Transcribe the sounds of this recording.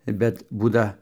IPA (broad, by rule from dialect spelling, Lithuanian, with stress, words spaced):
ˈbʲɛt ˈbuːdɐ